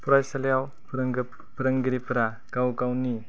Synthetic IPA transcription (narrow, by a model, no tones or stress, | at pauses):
pɾajsaljaw | ɾ | pɾaŋɡiɾipʰɾa | ɡawɡawni